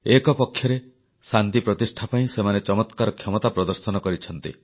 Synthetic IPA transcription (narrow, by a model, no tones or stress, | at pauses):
ekɔpɔkʰːjɔɾe | sant̪ipɾɔt̪isʈʰapaĩsemanet͡ʃɔmɔt̪kaɾɔkʰjɔmɔt̪apɾɔd̪ɔɾsɔnɔkɔɾit͡ʃʰɔn̪t̪ḭ